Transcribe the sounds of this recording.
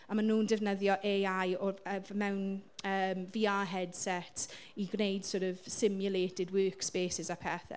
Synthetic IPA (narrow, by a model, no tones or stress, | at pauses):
amanːuːndɪvnəðjɔʔeːajɔəvmɛwnəːmviːaːɦɛd̥sɛtʰ | iɡnejd̥soːɾɔvsɪmjʊlˠeːtɪdwøːkspeːsɪsapʰɛθɛ̰